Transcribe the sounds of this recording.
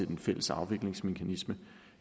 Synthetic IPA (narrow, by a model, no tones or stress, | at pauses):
enfel̰əsɑ̈ʊʋe̝ɡ̥le̝ŋsme̝kʰænismə